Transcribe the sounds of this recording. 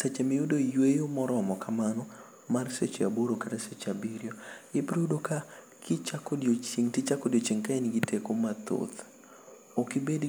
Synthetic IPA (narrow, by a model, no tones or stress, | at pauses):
set͡ʃemɪudojwejomɔɾɔmɔkamanɔ | marset͡ʃeaboɾokaɾeset͡ʃabiɾjoɪpɾodoka | kʰɪt͡ʃakodjot͡ʃiŋtɪt͡ʃakodjot͡ʃiŋkaeniɡitʰekomat̪o̰t̪ | okɪbed